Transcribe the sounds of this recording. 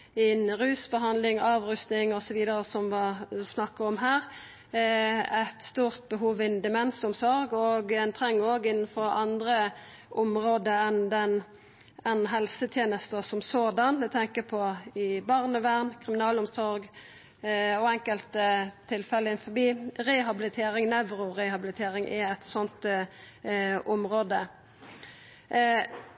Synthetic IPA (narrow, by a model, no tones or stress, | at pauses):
ɪnɾʉːsbəɦɑnd̪lɪŋɑːʋɾʉst̪ɪŋɔsɔʋiːd̪əɾəsɔmʋɑsnɑkːəɔmɦæːɾ | æɪt̪st̪uːʁt̪̚bəɦuːʋɪnd̪ɛmɛnsʊmsɔɾɡɔɡɛnt̪ʰɾɛŋːoːɡɪnːənfɔɾɑnd̪ʁə | ʔʊmʁoːd̪əɛnd̪ɛn | ɛnɦɛlsət̪ʰjeːnəst̪əsɔmsoːd̪ɑnd̪ɛt̪ʰɛŋkəpʰɔɪbɑʁnəʋæʁnkʰʁɪmɪnɑːlʊmsɔɾɡ | ɔɛŋkəlt̪t̪ʰːɪlfɛlːəɪnfɔbiːɾɛɦɑbɪlɪt̪ʰeːɾɪŋnɛʋɾʊʁɛhɑbɪlɪt̪ʰeːɾɪŋʔɛɛt̪sɔnt̪ | ʊmʁoːd̪ə